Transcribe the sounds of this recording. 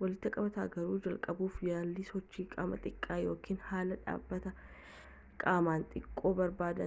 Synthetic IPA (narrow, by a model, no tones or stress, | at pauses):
wɐlɪt̪ːɪɐkʼɐbɐt̪a̰ːɡɐɾuːd͡ʒɐlkʼɐbuːfjaːlːisɔt͡ʃːiːkʼa̰ːmɐ̰t̪ʼɪkʼːaːjo̞ːkʰiːnhaːlɐᶑa̰ːbːɐt̪ɐ | kʼaːmaːnt̪ʼɪkʼːo̞ːbɐɾbaːd̪ɐ